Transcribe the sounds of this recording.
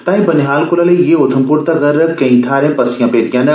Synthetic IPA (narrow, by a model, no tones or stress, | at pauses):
t̪ãːɦĩbɐnɪɦaːlkʊlɐlejeʊt̪ʰəmpʊɾt̪ɐɡɐɾkɐ̃ĩt̪ʰaːɾẽːpɐsijãːpeːt̪ijãːne